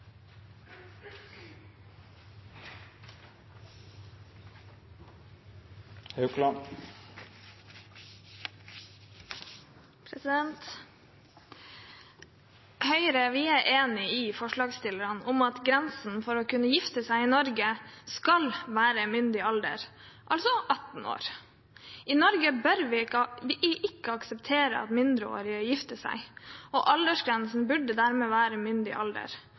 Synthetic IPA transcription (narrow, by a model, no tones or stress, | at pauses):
hɑʉklɑː | pʰɾɛsɪd̪ɛnt̪ | hœʏɾəʋɪæɾʔeːnɪɪfɔʂɭɑːɡst̪ɪləɾɑnɔmɑt̪ɡɾɛnsn̩fɔɾɔkʉnːəjɪft̪əsæɪɪnɔɾɡəskɑlʋæːɾəmʏnd̪ɪɑld̪ə̰ɾ | ʔɑlsɔʔɑt̪n̩o̰ːɾ | ʔɪnɔɾɡəbœɾʋɪʋɪʔɪʔɪkːəɑksəpt̪ʰeːɾə̰ɑ̰t̪mɪnd̪ɾəo̰ːɾɪəjɪft̪əsæ̰ɪɔʔɑld̪əʂɡɾɛnsn̩bʉɖəd̪æɾmeːʋæːɾəmʏnd̪ɪ̰ʔɑld̪ə̰ɾ